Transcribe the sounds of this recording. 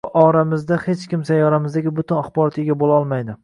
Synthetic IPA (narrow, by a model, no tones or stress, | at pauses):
ʔɒɾamɪzd̪ahe̞t͡ʃkʲɪmsajːɒɾamɪzd̪aɡʲɪbʊt̪ʰɪnaχbɒɾɒt̪eɡʲabolaɒlˠmajd̪ɪ